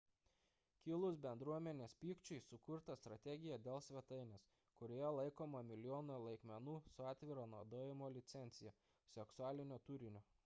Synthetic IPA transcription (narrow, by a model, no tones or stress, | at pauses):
kʲɪlˠʊsbʲɛnd̪ɾuɔmʲɛnʲeːspʲiːkt͡ʃʲʊɪsʊkʊɾt̪ɐst̪ɾɐt̪ʲɛɡʲɪjɛd̪ʲeːlˠsʲʋʲɛt̪ɐɪnʲeːs | kʊɾʲoːjɛlˠɐɪkoːmɐmʲɪlʲjoːnolˠɐɪkmʲɛnuːsʊɑːt̪ʲʋʲɪɾɐnuɔd̪oːjɪmoːlʲɪt̪sʲɛnʲt̪sʲɪjɛ | sʲɛksʊæːlʲɪnʲoːt̪ʊɾʲɪnʲoː